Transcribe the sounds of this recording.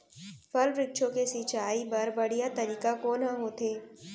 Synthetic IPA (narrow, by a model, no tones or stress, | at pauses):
pʰɐlɾɪk̚ʃʰõkesɪt͡ʃaːibɐɾbɐɽ̤ijat̪ɐɾiːkakoːnãɦoːt̪eː